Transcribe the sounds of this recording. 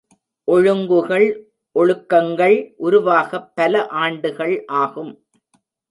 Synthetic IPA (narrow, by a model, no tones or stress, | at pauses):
ʔɔɻɯŋɡɯɣɐɭ | ʔɔɻɯkːɐŋɡɐɭʔʊɾʊʋaːɣɐpːɐlɐʔaːɳɖɯɣɐɭʔaːɣɯm